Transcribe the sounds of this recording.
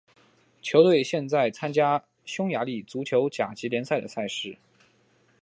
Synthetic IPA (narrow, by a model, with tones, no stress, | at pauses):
t͡ɕʰjo˧˥ʊt̪we˥˩˧ɪɕjɛ˥˧nt͡sa˥˩ɪt͡sʰa˥nt͡ɕja˥ | ɕʊ˥ŋja˧˥li˥˩t͡su˧˥t͡ɕʰjo˧˥ʊt͡ɕja˨˩t͡ɕi˧˥ljɛ˧˥nsa˥˩ɪd̪ə˩sa˥˧ɪʂɻ̩˥˩